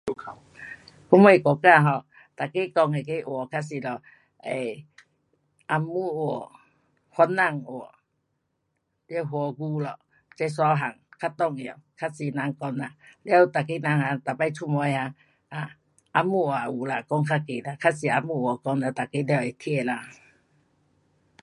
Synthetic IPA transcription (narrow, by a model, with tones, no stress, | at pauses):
o˨˧˨kʰa˧˨w | kʰu˧˦mɔ˧˨kɔ˨ka˧˨ɦɔ˧˨ | t̪a˨ke˦˨kɔ˧ŋe˨ke˧˦˨ʔɔ˨kʰa˧˥si˧˨lɔ˨ | e˨ | ʔa˧mu˧˨o˧˩˨ | hwɔ˧˦nːa˧˨ŋo˨ | lɛ˧˦ɦo˧˨ɡu˧˦lɔ˨ | t͡ɕa˧jsa˧ɦa˨ŋkʰa˧t̪ɔ˧˨ŋe˨kʰa˧si˧˨nã˧ŋkɔ˧ŋla˨lja˦wt̪a˨ke˦˨nã˧ŋha˧˨ŋt̪a˨˩pa˧˨tʰu˧˨mɔ˧˦jha˧ | a˨ | ʔa˧mu˧˨wa˨u˨la˧˨kɔ˧˦ŋkʰa˧ke˨la˧˨kʰa˧si˧˨a˧mu˧˨ɔ˨kɔ˧ŋla˧˨t̪a˨ke˦ljɛ˧˨e˨t̪ʰi˧˨la˧